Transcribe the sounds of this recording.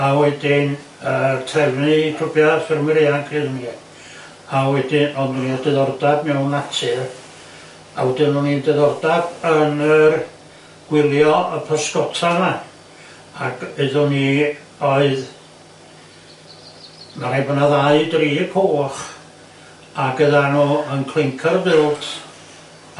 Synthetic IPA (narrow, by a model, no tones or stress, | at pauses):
awɛdɪn | ərtʰɛvnɨpʰrʊbjafɪrmɪɾeankʰriðni | awɛdɪɔnuniədɛðɔrdabmɛwnatʰɨr | a̰wɛdɪmnunidɛðɔrdab̥ənər | ɡ̥wɪlˠjɔəpʰəskɔtʰama | aɡɨðʊni | ɔɨð | maɾebənaðaɨdriːkʰoːχ | aɡəðanuənkʰlˠɪŋkʰərbɪlˠt